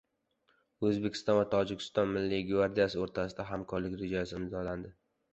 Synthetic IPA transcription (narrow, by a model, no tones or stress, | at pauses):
ɵzbekʲʰɪ̥st̪ɒnvat̪ʰɒd͡ʒɪkʲʰɪ̥st̪ɒnmɪlːiɡvaɾd̪ijasɪoɾt̪ʰasɪd̪aɦamkʰɒɾlɪkʲɾed͡ʒajsɪɪmzɒland̪ɪ